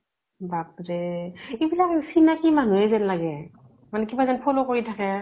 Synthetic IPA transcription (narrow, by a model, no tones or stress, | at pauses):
bak̚ɹɛibilaksinakimanuɛzɛnlaɡɛ | manɛkibazanpʰɔlɔkoɹitʰakɛ